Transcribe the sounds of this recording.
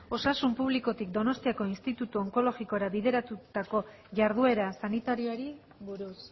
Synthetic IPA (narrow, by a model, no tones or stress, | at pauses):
o̞sasumpuβ̞liko̞t̪ikd̪o̞no̞st̪iako̞inst̪it̪ut̪uoŋko̞lo̞ɣiko̞eɾaβiðe̞ɾat̪ut̪ako̞ | ʝaɾðue̞ɾasanit̪aɾioaɾi | buɾus